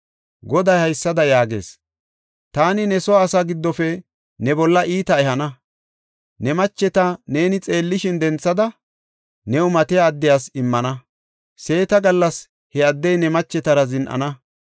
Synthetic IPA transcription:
ɡɔd̪ɐjhɐjsːɐd̪ɐjaːɡe̞̰ːs | t̪aːnɪnɛsɔwaːsaːɡɪd̪ːɔfɛ | nɛbɔlːɐʔiːt̪ɐɛhɐnɐ | nɛmɐt͡ʃːɛt̪ɐne̞ːnɪt͡sʼe̞ːlːɪʃɪnd̪ɛnt͡sːɐd̪ɐ | nɛʊmɐt̪ɛjaːd̪ːɪjaːsɪmːɐnɐ | se̞ːt̪ɐɡɐlːɐs | hɛɐd̪ːɛjnɛmɐt͡ʃːɛt̪ɐɾɐzɪnʔɐ̰nɐ

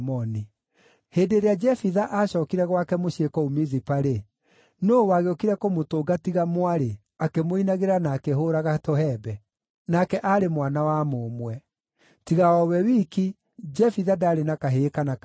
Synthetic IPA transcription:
mɔni | heːdeɾead͡ʒɛfiðaʔaɕɔːkiɾɛɣwakɛmoɕekɔumizipaɾe | nowaɣeokiɾɛkomotoːɡatiɣamwaɾe | akemoinaɣeɾanaːkeɦoːɾaɣatohɛbɛ | nakɛʔaɾemwanawamomwɛ | tiɣaɔwɛwiːki | d͡ʒɛfiðadaɾenakaɦekanak

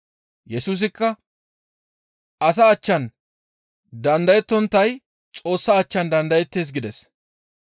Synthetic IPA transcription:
jɛsuːs̬ɪkːɐ | ɐsɐːt͡ʃːɐn | d̪ɐnd̪ɐjɛt̪ːɔnt̪ːɐj | t͡sʼo̞ːsːɐːt͡ʃːɐnd̪ɐnd̪ɐjɛt̪ːe̞ːs̬ɡɪd̪ɛs

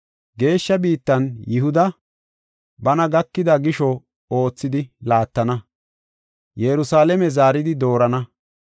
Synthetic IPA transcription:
ɡe̞ːʃːɐbiːt̪ːɐnjɪɦʊd̪ɐ | bɐnɐɡɐkːɪd̪ɐɡɪʃɔ | o̞ːt͡sːɪd̪ɪlaːt̪ːɐnɐ | jɛɾʊsaːlɛmɛzaːɾɪd̪ɪd̪o̞ːɾɐnɐ

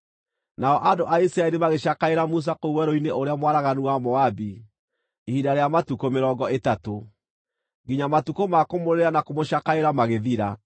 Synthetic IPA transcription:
naɔʔadoʔaisɾaɛɾimaɣeɕakaeɾamus̬akouwɛɾoineʔoɾeamwaɾaɣanuwamɔabi | ihidaɾejamatukomeɾɔɡɔetato | ŋɡiɲamatukomakomoɾeɾanakomoɕakaeɾamaɣeðiɾa

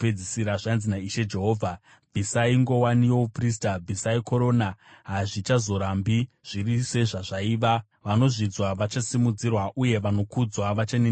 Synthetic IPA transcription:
ped͡zisiɾaʐanzinaiʃe̞d͡ʒe̞ɦo̞ːvʱa | bʱisaiŋɡo̞wanijo̞upris̬tabʱisaiko̞ɾo̞naɦaʐit͡ʃazo̞ɾambiʐ̥irise̞ʐaʐaiːʋa | ʋano̞ʐid͡zwaʋat͡ʃasimud͡zirwaʔuje̞ʋano̞kud͡zwaʋat͡ʃanen

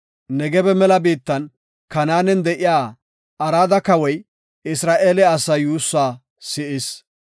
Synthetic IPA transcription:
nɛɡɛbɛmɛlɐbiːt̪ːɐn | kɐnaːnɛnd̪ɛʔɪjaː | ɐɾaːd̪ɐkɐwɔj | ʔɪsɾaːʔeːlɛɐsɐjuːsːaː | sɪʔɪs

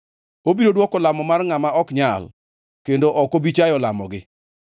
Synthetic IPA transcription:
obiɾodwɔkɔlamɔmarŋamaɔkɲal | kendoʔɔkobit͡ʃajɔla̰mɔ̰ɡɪ

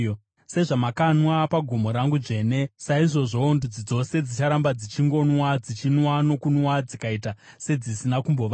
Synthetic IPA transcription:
se̞ʐamakanwapaɡʱumo̞ɾaŋɡuʐe̞ne̞saiʐo̞ʐo̞ːndud͡zid͡zo̞se̞d͡zit͡ʃaɾambad͡zit͡ʃiŋɡo̞nwad͡zit͡ʃinwano̞kunwad͡zikaita | se̞d͡zisinakumbo̞ʋa

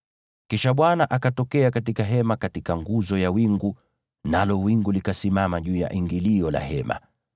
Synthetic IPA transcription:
kiʃaɓwanaʔakatɔkɛakatikaɦɛmakatikaŋɡuzɔjawiŋɡu | nalɔwiŋɡulikasimamaʄuːja̰ʔiŋɡiliɔla̰ɦɛma̰

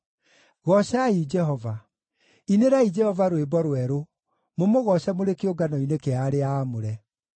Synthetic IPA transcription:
ɣɔɕaid͡ʒɛhɔva | ineɾaid͡ʒɛhɔvaɾwebɔɾwɛɾo | momoɣɔɕamoɾekeoɡanɔinekeaɾeaːmoɾɛ

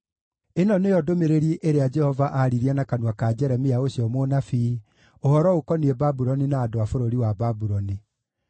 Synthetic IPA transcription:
enɔnejɔdomeɾeɾieʔeɾead͡ʒɛhɔvaʔaɾiɾianakanwakad͡ʒɛɾɛmiaoɕiɔmonafi | ohɔɾɔokɔniebabuɾɔninaːdoafoɾoɾiwababuɾɔni

